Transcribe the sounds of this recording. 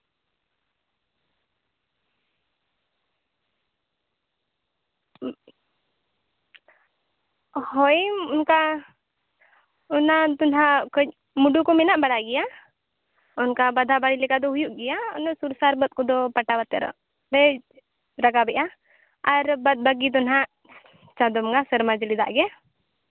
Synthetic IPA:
hɔjunka | ɔnat̪ɔnɦakəc̚ | muɖukɔmɛnaʔbəɽaɡɛja | ʊnkabad̪ʱabaɽilɛkad̪ɔɦujuʔɡɛjansuɾsaɾbət̪̚kɔd̪ɔpəʈabat̪ɛɾɔ̰ | ɾɛ | ɾəɡabɛʔa | aɾbət̪̚bəɡit̪̬ɔnɦaʔ | t͡ʃad̪ɔmɡasəɾmad͡ʒlid̪a̰ʔɡɛ

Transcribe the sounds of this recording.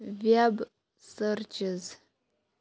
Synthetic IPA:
vjab | sərt͡ʃɪz

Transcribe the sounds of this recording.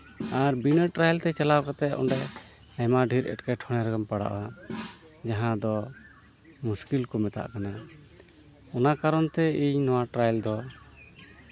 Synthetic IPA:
aɾbinəʈɾajlt̪ɛt͡ʃalawkat̪ɛʔ̪ɔ̰ɳɖɛ | ajmaɖʱiɾɛ̰ʈkajʈʰɔɽ̃ɛɾaɡɔmpaɽa̰ʔwa | d͡ʒaɦãd̪ɔ | muskilkɔmɛt̪a̰ʔkana | ɔnakaɾɔnt̪ɛiɲnɔwaʈɾajld̪ɔ

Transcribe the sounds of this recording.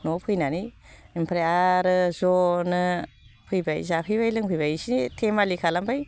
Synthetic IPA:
nɔpʰɯjnaniimpʰɾeaɾɯzɔnɯ | pʰɯjbajzakʰɯjbajlɯŋpʰɯjbajsinitʰemalikʰalambaj

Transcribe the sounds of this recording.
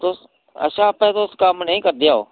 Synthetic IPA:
t̪os | ə̰ʃãːpə̃ːt̪oːskaːmnəĩːkəɾd̪ɪjaːo̰ː

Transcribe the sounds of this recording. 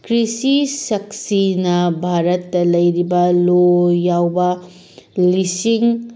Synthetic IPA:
kɾisisɐksinɐbʱaɾɐtːɐlɐjɾibɐlojawbɐ | lisiŋ

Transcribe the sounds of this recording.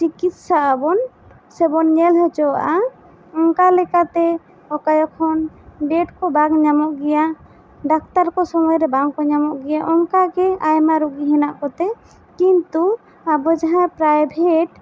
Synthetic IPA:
t͡ʃikit̪̚saʔabɔn | sɛbɔnɲɛlɦɛt͡ʃɔwaʔa | ɔŋkalɛkat̪ɛ | ɔkajɔkʰɔnɖɛʈkɔbaɡɲamɔʔɡɛja | ɖak̚t̪aɾkɔsɔmɔjɾɛbaŋkɔɲamɔʔɡɛjaʔɔŋkaɡɛajmaɾuɡiɦɛnaʔkɔt̪ɛ | kint̪u | abɔd͡ʒaɦãjpɾajbʱeʈ̚

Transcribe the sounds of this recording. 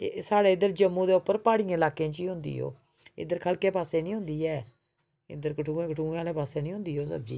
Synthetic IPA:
saːɽeːɪd̪əɾd͡ʒəmːũːd̪eːʊpːəɾpaːɽijãːɪlaːkẽːt͡ʃiːɦʊ̃nd̪ḭːɦo̰ː | ɪ̰d̪əɾkʰəlkeːpaːseːnĩːɦʊ̃nd̪iːɛː | ɪ̰d̪əɾkəʈʰũːẽːkəʈʰũːaːleːpaːseːnĩːɦʊ̃nd̪iːɦoːsə̰b̚d͡ʒḭː

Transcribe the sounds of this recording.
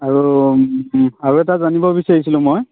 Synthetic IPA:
aɹu | aɹuɛtazanibɔbisaɹisilʊ̃moj

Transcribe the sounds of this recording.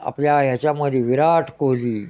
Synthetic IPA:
a̰pljajat͡ɕaməd̪iʋiɾaːʈʰkoːliː

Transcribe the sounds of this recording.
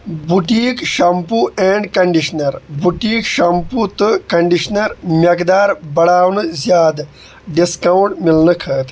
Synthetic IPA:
buʈiːkʃɐmpueɳɖkɐɳɖiʂnɐɾbuʈiːkʃɐmput̪ɨkɐɳɖiʂnɐɾmʲɐkd̪aːɾbɐɽaːwnɨzjaːd̪ | ɖiskawɳʈmilnɨkʰɐːt̪

